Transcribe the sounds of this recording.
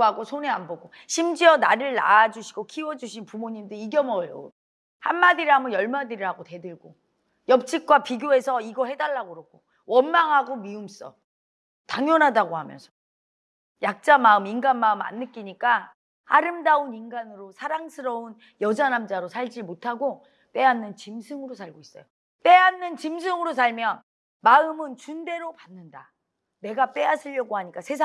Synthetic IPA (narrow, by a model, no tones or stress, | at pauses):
aɡosʰoneanbʌɡo | ɕʰimd͡ʑiʌnaɾɯɭna̰ːd͡ʑuɕʰiɡokʰiwʌd͡ʑuɕʰinpumoɲimdɯiɡjʌmʌo̰ | hanːadiɾɦamʌjʌɭmadiɾɯɾaɡote̞dɯɭɡo | jʌp̚t͡ɕ͈ʰik̚k͈wapiɡjoe̞sʰʌiɡʌɦe̞daɭːaɡoɾokʰo | wʌnmaŋɦaɡomiums͈ʌ̰ | taŋjʌnɦadaɡohamjʌ̰nsʰʌ̥ | jak̚t͡ɕ͈amaɯminɡanmaɯma̰nːɯk͈iɲik͈a | a̰ɾɯmdauninɡanɯɾosʰaɾaŋsʰɯɾʌun | jʌd͡ʑanamd͡ʑaɾosʰaɭd͡ʑimotʰaɡo | p͈e̞anːɯnt͡ɕimsʰɯŋɯɾosʰaɭɡois͈ʌ̰jo | p͈e̞anːɯnt͡ɕimsʰɯŋɯɾosʰaɭmjʌn | maɯmɯnt͡ɕunde̞ɾopanːɯnda | ne̞ɡap͈e̞asʰɯʎːʌɡoɦaɲik͈asʰe̞sʰa